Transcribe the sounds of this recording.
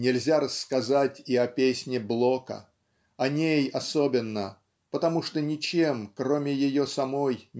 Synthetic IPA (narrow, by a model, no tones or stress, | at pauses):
nʲɪlʲzʲaɾəsːkɐzatʲiɐpʲesʲnʲɪblˠo̞kə̰ | ɐnʲejɐso̞bʲɪnːə | pət̪ɐmuʂt̪onʲɪt͡ɕe̞mkɾo̞mʲɪjɪjo̞sɐmo̞j